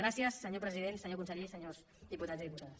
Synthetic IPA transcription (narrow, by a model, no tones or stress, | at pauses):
ɾasjəsːəɲopɾəziðensəɲokunsəʎeisəɲoz | ðiput̪adziðiput̪aðəs